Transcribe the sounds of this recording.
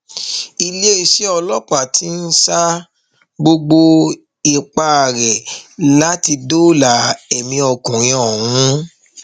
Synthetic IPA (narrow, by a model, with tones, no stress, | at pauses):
i˧le˦i˧˨ʃe˦ɔ˧lɔ˦k͡pa˨tʰi˨˦n̩˦sa˦ | ɡ͡bo˧ɡ͡bo˧ | i˨k͡pa˧˨ɾɛ˨la˦ti˧do˦la˨ɛ˨mĩ˧ɔ˧˨kɔ̃˨ɾĩ˨ɔ˨wũ˨˦